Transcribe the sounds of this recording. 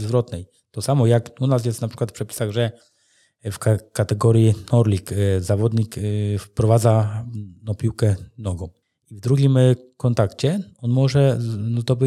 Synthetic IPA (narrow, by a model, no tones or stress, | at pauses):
zvɾɔt̪nɛj | t̪ɔsamɔjakunas̬jɛst̪napʂɘkwat̪fpʂɛpʲi̥saɣʐɛ | fkakat̪ɛɡɔɾjinɔɾlʲikzavɔd̪ɲikfpɾɔvad̪zanɔ̃pʲiwkɛnɔɡɔ̃w̃ | ivd̪ɾuɡʲimkɔnt̪akt͡ɕɛɔnmɔʐɛnɔt̪ɔbɘ